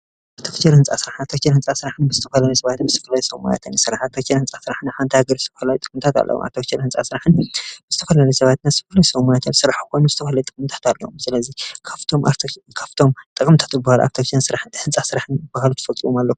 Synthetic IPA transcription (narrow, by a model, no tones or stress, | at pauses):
aβt̪ʰokt͡ʃʰeɾhɨnt͡sʼasɨɾaħat̪ʰokt͡ʃʰeɾhɨnt͡sʼasɨɾaħɨnbɨzɨt̪ʰɐfɐlalɐjsɐβat̪ʰɨnbzɨt̪ʰɐfɐlaljsɐwma̰ja̰t̪ʰɨnsɨɾaħat̪ʰokt͡ʃʰeɾhɨnt͡sʼasɨɾaħɨnħant̪ʰahaɡɐɾzɨt̪ʰɐfɐlalut̪ʼɨkʼɨmt̪ʰat̪ʰa̰lːʔɐ̰wo̰mʔa̰ɾt̪ʰokt͡ʃʰeɾhɨnt͡sʼa̰sɨɾaħɨnbɨzɨt̪ʰɐfɐlalɐjsɐβat̪nazɨt̪ʰɐfɐlajusɐmajat̪ʰɨnsɨɾaħkɨkʰonuɨzɨt̪ʰɐfɐlajt̪ʼɨkʼɨmt̪ʰḁt̪alːɐ̰wmsɨlɐzikʰaft̪ʰomkʰaft̪ʰo̞mt̪ʼɨkʼɨmt̪ʰḁt̪bɨbahaluʔa̰ɾt̪ʰokt͡ʃʰɐnsɨɾaħɨhɨnt͡sʼasɨɾaħɨnɨbahalut̪ʰɨ̥fɐlt̪ʼɨwomalːɐku